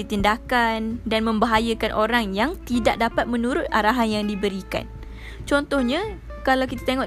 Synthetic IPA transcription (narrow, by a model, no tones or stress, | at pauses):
it̪indakandanmə̃mbaɦajakanʔoɾaŋjaŋt̪idaʔ̚dapat̪̚mə̃nũɾʊt̪̚aɾaɦanjaŋdibəɾika̰n | t͡ʃɔnt̪ɔhɲa | kalawkit̪ḁt̪eŋɔ̃ʔ